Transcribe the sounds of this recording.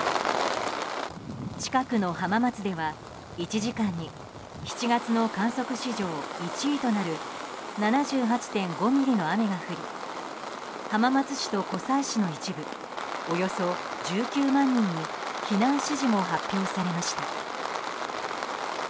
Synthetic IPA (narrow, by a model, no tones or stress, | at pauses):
t͡ɕi̥kakɯno̞hamamat͡sɨd̪e̞βa | it͡ɕiʑikãɲ̟ːi | çi̥t͡ɕiɡat͡sɨno̞kãɰ̃so̞kɯ̟ɕiʑo̞ːit͡ɕiit̪o̞naɾɯ̟nanaʑɨːɦat͡ɕi̥t̪ẽ̞ŋɡo̞mʲiɾʲino̞ame̞ɡaɸɯ̟ɾʲḭ | hamamat͡sɨɕi̥t̪o̞ko̞saiɕino̞it͡ɕibɯ̟ | o̞jo̞so̞d͡ʑɨːkʲɨːmãɲ̟ːĩɲ̟ːiçinãɕiʑimo̞ɦapʲːjo̞ːsaɾe̞maɕi̥t̪a